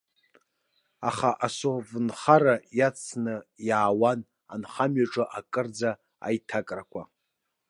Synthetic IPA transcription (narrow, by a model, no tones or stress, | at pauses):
a̰χaʔasovɨnχaɾajat͡sʰnɨjaːwan | anχamɥaʈ͡ʂʼɨʔakʼɨrd͡za | a̰jtʰakʼrakʷʰa̰